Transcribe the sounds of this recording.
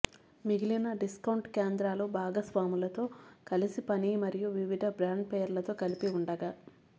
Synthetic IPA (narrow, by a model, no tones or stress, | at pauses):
miɡilinɐɖiskɐwɳʈkeːnd̪ɾaːloːbaːɡɐsʋaːmulɐt̪o̞ːkɐlisipɐniːmɐɾijuʋiʋid̪ʱɐbɾaːɳɖpeːɐɾlɐt̪o̞ːkɐlipiuɳɖɐɡaː